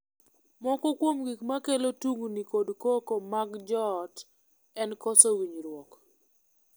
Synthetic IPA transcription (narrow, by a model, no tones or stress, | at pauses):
mɔkɔkwomɡikmakelotuŋɡunikodkokomaɡd͡ʒɔt | ɛnkɔsɔwiɲɾwɔk